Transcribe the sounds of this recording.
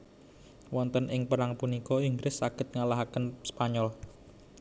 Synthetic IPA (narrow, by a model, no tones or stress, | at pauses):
wɔnt̪ənʔɪŋpəɾaŋpunikɔɪŋɡɾɪsːaɡ̥ɪ̤t̪̚ŋalaɦakənspaɲɔl